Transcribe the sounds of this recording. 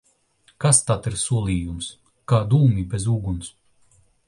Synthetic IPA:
kast̪at̪iɾsuɔlˠiːjums | kaːd̪uːmʲibʲezuːɡuns

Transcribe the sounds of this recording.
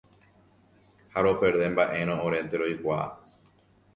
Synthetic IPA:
haɾo̞pe̞ɾðẽmbaʔe̞ɾ̃õõɾe̞nt̪eɾojkʷa̰

